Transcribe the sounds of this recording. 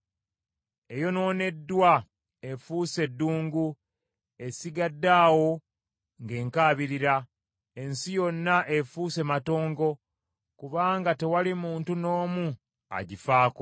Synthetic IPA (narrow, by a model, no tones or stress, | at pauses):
e̞jo̞no̞ːne̞dːwa | efuːse̞dːuːŋɡu | e̞siɡadːaːwo̞ | ŋɡe̞ːŋkaːβiɾiɾa | e̞nsijo̞nːaʔe̞fuːse̞mato̞ːŋɡo̞ | kuβaːŋɡate̞walimuːntuno̞ːmu | a̰ɟifaːko